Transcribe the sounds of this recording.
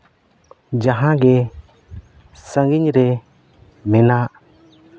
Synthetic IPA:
d͡ʒaɦãɡɛ | səŋɡiɲɾɛ | mɛnaʔ

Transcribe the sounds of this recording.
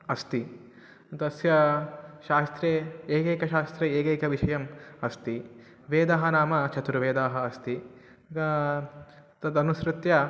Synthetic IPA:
ɐst̪i | t̪ɐsjɐʃaːst̪ɾeːeːkeːkɐʃaːst̪ɾeːeːkeːkɐʋiʃɐjɐmɐst̪i | ʋeːd̪ɐɦɐnaːmɐt͡ʃʰɐt̪uɾuʋeːd̪aːɦɐɐst̪i | ɡɐ | t̪ɐd̪ɐnuʃɾut̪jɐ

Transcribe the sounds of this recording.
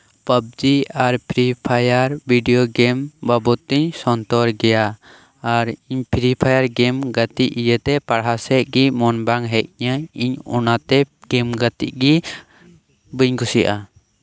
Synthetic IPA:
pəb̚d͡ʒiaɾpʰɾipʰajaɾbʱiɖijɔɡɛmbabɔt̪ːiɲsɔnt̪ɔɾɡɛjaː | ɾiɲpʰɾipʰajaɾɡɛmɡət̪iʔijət̪ɛpaɽɦasɛʔ̚ɡimɔnbaŋɦɛk̚ɲəiɲɔ̰nat̪ɛɡ̥ɛmɡət̪ḭʔ̚ɡi | bəɲɡusiʔa

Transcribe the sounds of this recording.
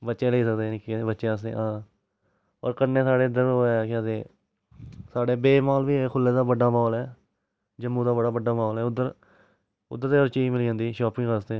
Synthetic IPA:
bətːt͡ʃẽːleiːsəkd̪eːnɪkːebətːʃẽːəsd̪ḛːãː | ɔ̰ːɾkəɾneːsaːɽeːɪd̪əɾoːeːkɪət̪ẽː | saːɽeːbeːmaːlʋiːɛkʰʊlːeːd̪aːbəɖːaːmaːlɛː | d͡ʒəmːũːd̪aːbəɽaːbəɖaːmaːlɦɛːʊd̪əɾ | ʊ̰d̪əɾt̪eːəɾt͡ʃiːmɪliːd͡ʒãːnd̪iːʃɔːpɪ̃ŋɡkəsd̪eː

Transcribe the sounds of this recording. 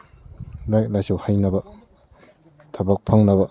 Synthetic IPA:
laj̚lajsuwhajnɐbɐ | tʰabak̚pʰaŋnɐbɐ

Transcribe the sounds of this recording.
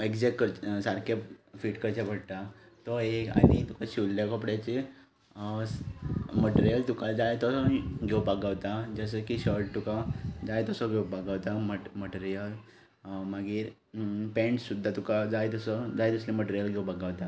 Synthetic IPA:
eɡd͡zɛkkəɾsaɾkʰefiːʈkəɾt͡ɕabʱəɽt̪a | t̪ɔeka̰nit̪ukaɕilːjakəpɽjat͡ɕe | məʈeɾijəlt̪ukad͡zajt̪ɔsɔɡʱewbʱaɡaʋt̪ad͡zəs̬əkiɕəɾʈ̚t̪ukad͡zajt̪əsɔɡʱewbʱaɡaʋt̪aməməʈeɾijəl | maɡiːɾ | pẽɳʈsud̪ʱːat̪ukad͡zajt̪əsɔd͡zajt̪uslẽməʈeɾijəlɡʱewbʱaɡaʋt̪a

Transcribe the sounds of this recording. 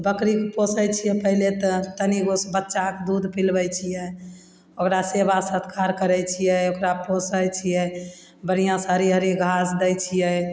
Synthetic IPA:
bəkɾikposəjt͡ʃʰijɛpəɦilet̪ɔt̪əniɡosbətːʃakd̪ud̪ʱpilbɛjt͡ʃʰijɛ | okɾasebasət̪ʰkʰaɾkəɾɛjt͡ʃʰijɛokɾaposəjt͡ʃʰijɛ | bənijãsaɾiɦəɾiɡʱasd̪ɛjt͡ʃʰijɛ

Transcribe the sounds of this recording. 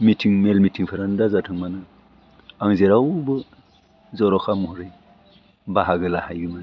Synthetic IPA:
mitʰiŋmelmitʰiŋpʰɯɾandazatʰɯŋmanɯ | aŋzeɾawbɯ | zɔɾɔkʰamɔhɔɾɯj | baɦaɡɯlahajɡɯman

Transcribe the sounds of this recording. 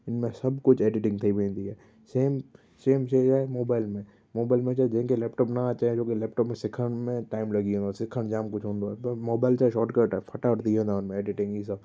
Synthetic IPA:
ɪnmẽsɐbkʊt͡ʃʰeːɖɪʈɪ̃ŋɡt̪ʰibʱẽːnd̪iɦɛː | seːm | seːmʃeɛmoːbaːɪlmẽ | moːbaːɪlmẽt͡ʃaːd͡ʒẽɦẽkelɛːpʈɔːpnat͡ʃaẽd͡ʒoːkelɛːp̚ʈɔːpmẽsɪkʰəɽ̃mẽʈaːɪmlɐɡiɦõnd̪osɪkʰəɽ̃d͡ʒaːmkʊt͡ʃʰɦõːnd̪oɛmoːbaːɪlt͡ʃaːeʃɔːʈkəɾʈapʰɐʈaʊʈd̪iɦõnaʊnmẽeːɖɪʈɪ̃ŋɡisɐb

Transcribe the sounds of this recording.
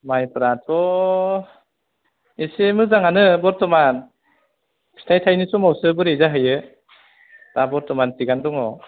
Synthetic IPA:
majpɯɾat̚ɔ | esemɯzaŋanɯbɔɾtɔman | sʰi̥tʰajtʰajnɯsɔmawsɯbɯɾejzaɦɯjɯ | tabɔɾtɔmantiɡandɔŋɔ

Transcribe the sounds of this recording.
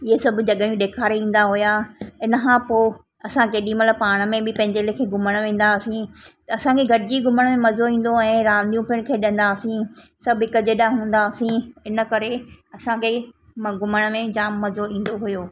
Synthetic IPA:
ɪɦesɐbʱʊd͡ʑɐɠəjũɗeːkʰaːɾeĩːn̆d̪aɦʊjaɪnəkʰãːpoː | ɐsãkeːɗĩmɐt̪ləb̚paːɽ̃ə̆mẽbɪpɐ̃ɦɪ̃ɲd͡ʑelkʰeːɡʱʊməɽ̃ʋẽːn̆d̪aːsĩt̪ɐɐsãkʰeɡʱɐɽɪd͡ʑiɡʱʊməɽ̃mẽmɐzoĩːn̆d̪oɛ̃ːɾãːnd̪ijũpʰɪɽ̃kʰeːɗɪ̃n̆d̪aːsĩsɐbʱɦɪkəd͡ʑeɗaɦũːn̆d̪aːsĩɪnə̆kɐɾeɐsãkʰe | mɡʊməɽ̃mẽd͡ʑaːmmɐzoĩːn̆d̪oɦʊjoː

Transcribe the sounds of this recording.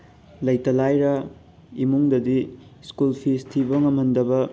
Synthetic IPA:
lɐjtɐlajɾɐ | imuŋdɐdiskulpʰistʰibɐŋɐmɐndɐbɐ

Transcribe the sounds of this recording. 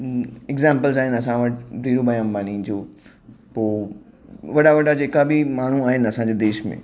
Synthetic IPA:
ɪɡzãːmpəlzaːɦɪnɐsãʋɐʈd̪iːɾobɐjãːmbaːnĩd͡ʑoː | poː | ʋɐɽaʋɐɽad͡ʑeːkabʱimaːɳ̤uaːɦɪnɪɐsãːɲd͡ʑed̪eːʃmḛ̃

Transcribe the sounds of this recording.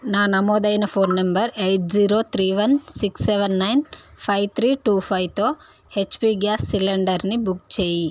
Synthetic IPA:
naːnɐmoːd̪ɐjnɐpʰoːnːɐmbɐɾejʈ̚d͡ʒiːɾoːt̪ʰɾiːʋɐnsiksːeʋɐnːɐjnpʰɐjʋt̪ʰɾiːʈuːpʰɐjʋt̪oː | het͡ʃːpiːɡjaːsːileɳɖɐɾnibukt͡ʃeːji

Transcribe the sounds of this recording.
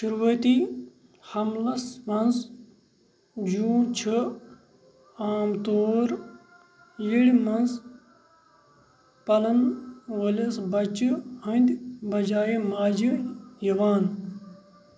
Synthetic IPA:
ʃuɾuːɐt̪iː | hɐmlɐsmɐnz | d͡ʒũːt͡ʃʰi | aːmt̪oːɾ | jiɽmɐnz | pɐlɐnʋolɐsbɐt͡ʃɨɦɐ̃nd̪ʲbɐd͡ʒaːemaːd͡ʒijiʋaːn

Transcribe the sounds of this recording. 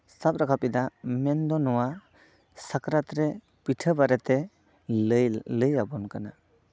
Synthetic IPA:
sap̚ɾakʰapid̪amend̪ɔnɔwa | sakɾat̪ɾe | pitʰəbaɾet̪e | ləjabɔnkana

